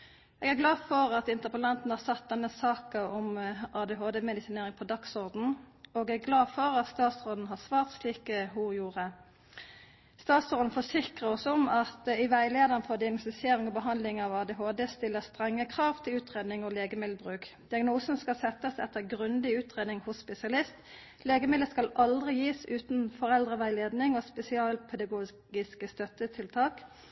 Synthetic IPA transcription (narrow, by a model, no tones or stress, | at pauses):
ʔɛɡæɡlɑːfɔɾɑt̪ɪnt̪əpəlɑnt̪n̩hɑʁsɑt̪̚d̪ɛnːəsɑːkəɔmʔɑːd̪ɛːɦoːd̪ɛːmɛd̪ɪsɪneːʁɪŋpʰɔd̪ɑksɔʁd̪n̩oɡɛɡɡlɑːfɔʁɑt̪st̪ɑːt̪sʁoːd̪n̩ɦɑːʁsʋɑːʁt̪sliːkəhʊjuːʁə | st̪ɑːt̪sɔʁd̪n̩fɔsɪkʁəɔsɔmɑt̪ɪʋæɪleːd̪əʁnfɔʁd̪ɪɑɡnɔsɪseːʁɪŋɔbəɦɑnd̪lɪŋɑʋɑːd̪ɛɦoːd̪eːst̪ɪlːəst̪ʁɛŋːəkʰʁɑːʋt̪ʰɪlʉːt̪ʁeːd̪nɪŋɔleːɡəmɪd̪lbʁʉːkd̪̥ɪɑɡnuːsn̩skɑlsɛt̪ːəsɛt̪ːəʁɡʁʉnd̪ɪʉːt̪ʁeːd̪nɪŋhʊsspɛsɪɑlɪst̪ | leːɡəmɪd̪əskɑlʔɑld̪ʁɪjiːsʉːt̪nfɔʁɛld̪ʁəʋæɪleːd̪nɪŋɔspɛsɪɑːlpʰɛd̪ɑɡuː | ɡɪskəst̪œt̪ət̪ʰɪlt̪ʰɑːk